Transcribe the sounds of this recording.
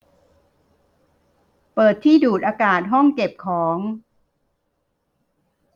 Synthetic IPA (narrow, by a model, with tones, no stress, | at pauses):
pɤː˨˩t̪ʰːiː˥˩duː˨˩t̪̚ʔaː˧kaː˨˩t̪̚ɦɔ˥˩ŋke˨˩p̚kʰɔː˩˦ŋ